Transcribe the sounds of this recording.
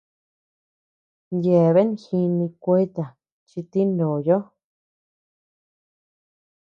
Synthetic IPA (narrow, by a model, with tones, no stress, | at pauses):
je˨βe˦n˧xi˧nĩ˧kʷe˧˦t̪a˨ | t͡ʃi˧t̪i˦ndõ˨jo˦